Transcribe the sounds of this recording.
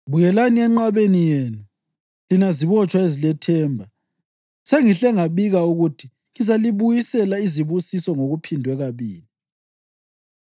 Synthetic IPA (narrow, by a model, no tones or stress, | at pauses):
βujɛlaniɛŋ͡ǃaβenijeːnu | linaziβɔt͡ʃʼwaezilɛtʰɛːmbʱa | seŋiɬɛŋaβiɣauɣutʰi | ŋizaliβujisɛlaiziβusisɔŋoɣupʰindʱwɛɣaβiːli